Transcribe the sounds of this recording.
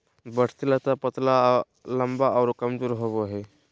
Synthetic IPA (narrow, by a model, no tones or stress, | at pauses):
bəɽ̤ʰt̪ilat̪apət̪la | ləmbaʔaɾokəmd͡zoːɾɦoʋoaɦe